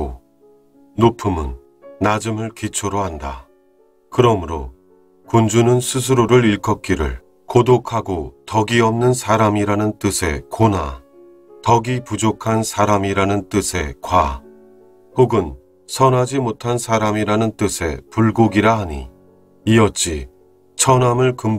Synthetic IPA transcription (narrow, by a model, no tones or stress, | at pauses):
o̰ | nopʰɯmɯ̰nː | ad͡ʑɯmɯɭkit͡ɕʰoɾoɦanda̰ | kɯɾʌmɯɾo̰ | kund͡ʑunɯnsʰus̬ʰɯɾoɾɯɾiɭkʰʌk͈iɾɯ̰ɭ | kodokʰaɡotʌɡiʌmnɯnsʰaɾamiɾanɯnt͈ɯsʰe̞̰kona̰ | tʌɡipud͡ʑokʰansʰaɾamiɾanɯnt͈ɯsʰe̞kwa | poɡɯn | sʰʌnɦad͡ʑimotʰansʰaɾamiɾanɯnt͈ɯsʰe̞̰puɭɡoɡiɾaɦaɲḭ | iʌt̚t͡ɕ͈ʰḭ | t͡ɕʰʌnamɯɭkɯm